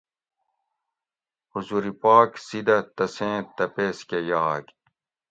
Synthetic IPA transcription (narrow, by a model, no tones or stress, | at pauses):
huzuːɾipaːksid̪ɐt̪ɐsẽːt̪ɐpeːskejaːɡ